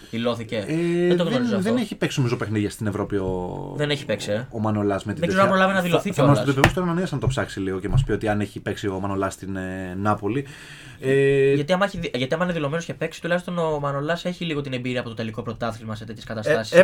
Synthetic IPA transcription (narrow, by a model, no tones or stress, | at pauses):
ðiloθiceeet̪oɣozɐðeneçipeksinomizoopexniðiɐst̪inevɾo̞pioðeneçi̥pe̞ksiḛːmɐno̞lɐsmet̪ieɡ̪zeɐpɾolɐvenɐðiloθicomɐsot̪opevost̪oɾɐnɐniɐsɐnɐt̪opsɐksiliɣo̞cemɐspiot̪iɐneçipeksio̞mɐnolɐst̪innɐpo̞li | eʝɐt̪iɐmɐeçiðʝɐt̪iɐmɐineðilo̞menosçcepe̞ksi̥t̪ulɐçist̪o̞no̞mɐno̞lɐse̞çiliɣo̞t̪inembiɾiɐpo̞t̪ot̪e̞liko̞pɾo̞t̪ɐθilmɐset̪et̪çeskɐt̪ɐst̪ɐsi̥s